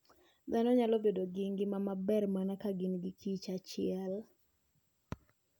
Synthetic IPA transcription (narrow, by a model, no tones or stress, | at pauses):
d̪anɔɲalobedoɡiŋɡɪmamabɛrmanakaɡɪnɡɪkʰit͡ʃat͡ʃɪɛl